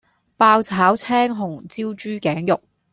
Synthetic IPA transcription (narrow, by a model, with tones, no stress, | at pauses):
paː˧wt͡sʰaː˨˥wt͡sʰɛː˥ŋɦʊ˨˩ŋt͡siː˥wt͡ʃyː˥kɛː˨˥ŋjʊ˨k̚